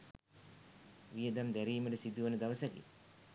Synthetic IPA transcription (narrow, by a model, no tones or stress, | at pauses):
ʋijəd̪amd̪æɾiːməʈəsid̪ːuʋanəd̪aʋəsɐkḛ